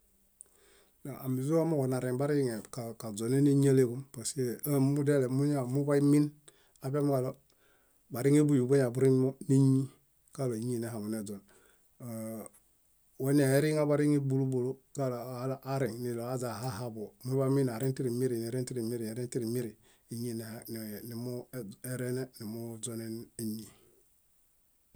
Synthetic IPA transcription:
na˨a˨mi˨zu˦a˦mu˦ko˨na˨ɾi˨ŋba˦ɾi˦ŋe˨ka˨ka˨d͡ʒo˨ne˦ne˦ɲ˦a˦le˦ku˦mpa˨se˦a˦mu˦de˦le˨mu˦ɲa˨mu˦ba˦mi˦n | a˨be˦m˦ɡa˨lo˦ | ba˨ɾi˦ŋe˦bu˦ju˨bo˦ɲa˨bu˦ɾi˦m˦mo˦ne˦ɲi˦ | ka˦˨lo˨ɲi˦˨ne˦ɦa˨mu˨ne˨d͡ʒo˨n˨ | wo˦n˦a˨e˦ɾi˦ŋa˦ba˨ɾi˦ŋi˦bu˨lu˦bo˨lo˦ka˦llʔːɾi˨ŋni˨lo˨a˦za˨ɦa˦ha˦bo˨mu˦ba˦mi˦na˨ɾi˦nti˦ɾi˨mi˦ɾi˨ne˨ɾe˦ti˦ɾi˨mi˦ɾi˨e˨ɾi˦nti˦ɾi˨mi˦ɾi˨ | i˦ɲi˦˨ne˨n˨ni˨mu˦e˨ɾe˦ne˦ni˨mu˦zo˦ne˦ne˦ɲi˨

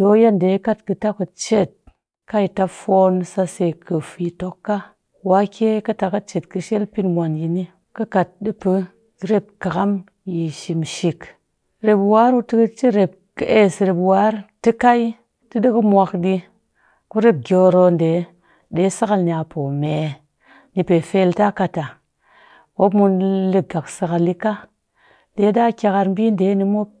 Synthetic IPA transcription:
do˨˦ja˦nde˨˦ka˦tkɨ˧ta˦ku˨t͡ʃe˦˨t̚ | ka˦ji˨ta˦fo˦nsa˧se˧˨kʰə˨fi˧to˦kːa˦ | wa˨˦kʲe˦kɨ˦ta˨ka˦t͡ʃe˨tkɨ˧ʃe˦lpi˦nmʷa˨nji˨ni˦ | kɨ˦ka˨t̚ɗi˦pɨ˦ | ɾe˦p̚ka˨ka˦m | ji˨ʃi˨mʃi˨k | ɾe˨pwa˦ɾu˦tɨ˦kɨ˦t͡ʃi˦ɾe˨p̚ke˦sɾe˨pwa˦ɾtɨ˦ka˦i˦ | tɨ˦ɗɨ˦kə˦mʷa˧kɗi˧ | ku˦ɾe˦p̚ɡʲo˨ɾo˧nde˨˦ | de˨˦sa˦ka˧lni˨a˧pʰo˨me˨ | ni˧pe˨fe˧˦lta˦ka˧ta˨ | wo˦mu˧nlɨ˧˨ɡa˨ksa˧ka˧li˦ka˦ | de˨˦da˦kʲa˧ka˧ɾm̩˦bi˦nde˨˦ni˧mo˦p̚

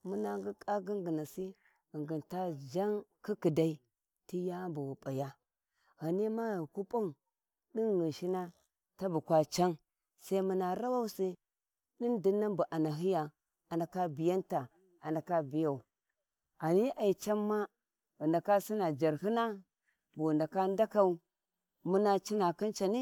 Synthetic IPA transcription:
mu˦na˨ŋɡi˦kʼa˦ɡi˦ŋɡi˨na˨si˦ | i˨ŋɡi˨nta˦d͡ʒa˦ŋki˦ki˨da˦i˦ | ti˦ja˦mbu˨wu˨pʼa˨ja˦ | ha˨ni˦ma˦ɣi˨ku˦pʼa˦u˨ | ɗi˦nnu˨ʃi˦na˦ | ta˦bu˨kʷa˨t͡ʃa˦n | sa˦i˦mu˨na˨ɾa˦wa˦u˦si˦ | ɗi˦ndi˦nːa˦mbu˨ʔa˨na˨ɦi˦ja˨ | a˨nda˨ka˦bi˨ja˦nta˨ | a˨nda˨ka˦bi˨ja˨u˨ | a˨ni˦ʔa˨i˨t͡ʃa˦mːa˦ | u˨nda˨ka˦si˦na˨d͡ʒa˨ɾhi˦na˦ | bu˨nda˨ka˦n˦da˦ka˨u˦ | mu˦na˨t͡ʃi˦na˨ki˦nt͡ʃa˨ni˦

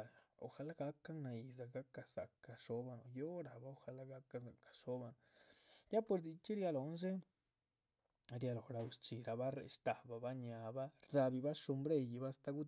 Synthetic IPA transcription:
o̰˨xa˧la˦ɡa˧kːa˦ŋna˧i˧za˧˨ɡa˦ka˧sa˨ka˧ʂo˦ba˧no˨jo˦ɾa˨ba˦o˧xa˧la˦ɡa˦ka˦za˨kḁ˨ʃo˦ba˧no˨ja˦po˧ɾdi˧t͡ʃi˦ɾja˧lo˨nʃ̬e˦ | ɾja˧lo˨ɾa˧u˧st͡ʃi˨ɾa˧ba˦ɾḛ˧ʂt̪a˨ba˧ba˦ɲa˨˧ba˦ɾza˧bi˧ba˦ʃu˧mbɾe˧ji˧ba˦st̪a˧ɡu˦

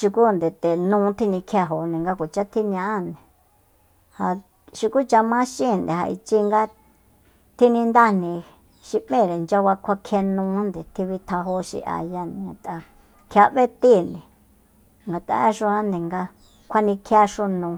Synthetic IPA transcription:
ʃu˧ku˦˨nd̪e˨t̪e˨nũː˦t̪ʰi˦nĩ˧kʰa˧ɦo˨nĩ˨ŋɡa˧kʷu˨t͡ʃa˦t̪ʰi˦nã˧a˦nd̪e˨ | ha˧ | ʃi˧ku˦t͡ʃa˧mã˦ʃĩ˦˨nd̪e˨ɦa̰˧ʔḭ˧t͡ʃi˦ŋɡa˦ | t̪ʰi˦nĩ˧nd̪a˦nĩ˧ | ʃi˧ʔmẽ˦˨ɾe˨nd͡ʒa˧βa˧kʰʷa˧kʰe˧nũː˧˦nd̪e˨t̪ʰi˧βi˧t̪ʰa˧ɦo˧˦ʃḭ˧˦ʔa̰˧ja˧nĩ˨ã˨t̪a˧ | kʰa˧βe˦t̪i˦˨nẽ˨ | ŋɡa˨t̪a̰˧˦e˦ʂu˧ã˦nd̪ẽ˨ŋɡa˧ | kʰʷa˦nĩ˧kʰa˧ʂu˦nũː˧

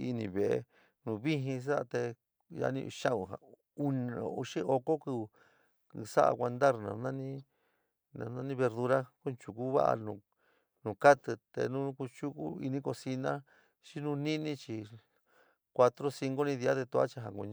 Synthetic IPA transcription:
i˧nĩ˧βe˨e˧ | nũ˨˧βi˦ɦĩ˧s̬a˦a˧t̪e˧ | ja̰˧nĩ˧ṵ˧ʃã˦ũ˧˨ɦa̰˨ | u˧ñĩ˧o̰˨ṵ˧ʃĩ˦ʔo˧ko˦ku˧ | sa˦ʔa̰˧kʷa˧nd̪a˦ɾnã̰˨˧nã˦nĩ˦ | nã̰˧nã˦nĩ˦βe˧ɾðu˧ɾa˦ku˦˧t͡ʃu˧ku˦βa̰˦ʔa̰˧nũ˨˧ | nũ˨˧ka˦t̪ɨ˧t̪ḛ˧nũ˦ku˧t͡ʃu˦kṵ˦ḭ˧nĩ˦ko˧si˧nã˦ | t͡ʃi˦nũ˧nĩ˦nĩ˦t͡ʃi˧ | kʷa˧t̪ɾo˦si˧ŋɡo˦nĩ˧ði˧a˦ðe˧t̪u˧a̰˦t͡ʃa˧ɦa˨ku˧ɲ

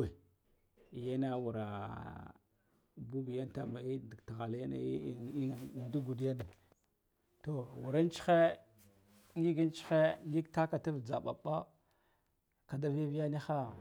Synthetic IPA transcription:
ja˦na˦wu˨ɾa˨ | bu˦bi˨ja˦n˦ta˦ma˨i˦dta˨ɣa˨lja˦na̰˨˦˨du˦ɡu˨dja˦na˨ | to˨wu˨ɾa˦n˦t͡ʃi̥˦xe˦ | ŋi˦ɡi˦n˦t͡ʃi̥˦xe˦ŋi˦kta˦ka˨ta˦vd͡za̰˨ɓa̰˨ɓa˦ | ka˨da˦vi˦vi˦ja˦ni˦xa˦

